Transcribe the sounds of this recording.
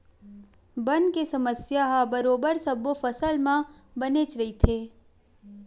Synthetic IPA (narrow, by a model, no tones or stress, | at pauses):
bənkesɐməsjaɦabəɾoːbəɾsəbofəsəlmãbənet͡ʃɾɐit̪ʰeː